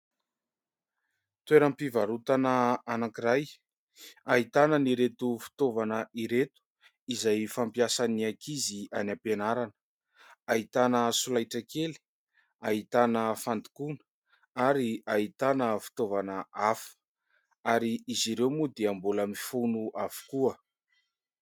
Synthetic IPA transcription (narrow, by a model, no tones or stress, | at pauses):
t̪weɾampivaɾut̪anəanakiɾaj | aɦit̪anəniɾet̪ufi̥t̪ovanəʔiɾet̪u̥ | izajfampjasaniakʰizianapenaɾanə̥ | ait̪anəsulajʈ͡ʂəkeli̥ | ait̪anəfand̪i̥kunə̥ | aɾiait̪anəfi̥t̪ovanəafə̥ | aɾiiziɾewmud̪eambulamifunuʔavu̥kuə